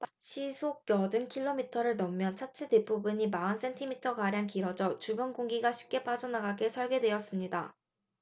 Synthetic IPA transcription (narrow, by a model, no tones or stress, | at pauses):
p | ɕʰisʰok̚k͈jʌdɯnkʰiɭːomitʰʌɾɯɭnʌmːjʌnt͡ɕʰat͡ɕʰedepubuɲimaɯns͈e̞ntʰimitʰʌɡaɾjaŋkiɾʌd͡ʑʌt͡ɕubʌnɡoŋɡiɡaɕʰi̥p̚k͈e̞p͈ad͡ʑʌnaɡaɡe̞sʰʌɭɡe̞dwe̞ʌs͈ɯmɲida